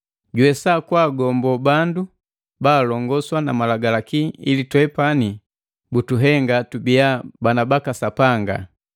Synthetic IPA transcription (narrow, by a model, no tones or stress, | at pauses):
ɟwɛsakwaːɡɔmbɔbandu | baːlɔŋɡɔswanamalaɡalakiilitwɛpani | butuɦɛŋɡatubiabanabakasapaŋɡa̰